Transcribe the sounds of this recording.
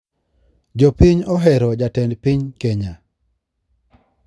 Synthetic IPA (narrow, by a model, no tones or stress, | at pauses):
d͡ʒopiɲɔɦɛɾɔd͡ʒatɛndpiɲkeɲa